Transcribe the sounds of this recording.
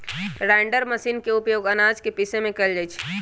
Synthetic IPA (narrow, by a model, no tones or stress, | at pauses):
ɾaːɪɳɖəɾməsiːnkeʊpjoːɡɐnaːd͡ʒkepisemẽkɛld͡ʒət͡ʃʰ